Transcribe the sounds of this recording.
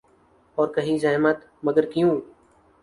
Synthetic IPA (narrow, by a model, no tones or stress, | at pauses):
ɔːɾkɐɦizɐɦmət̪ | mɐɡəɾkjũː